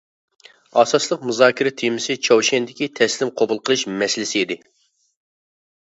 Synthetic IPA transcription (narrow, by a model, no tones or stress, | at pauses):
ɑːsɑslˠəqmuzɑːkʲʰiɾɛt̪ʰemɪsɪt͡ʃʰowʃɛnd̪ɪkʲit̪ʰɛslɪmqʰobulˠqʰəlˠɨʃmɛsɪlɪsɪid̪ɪ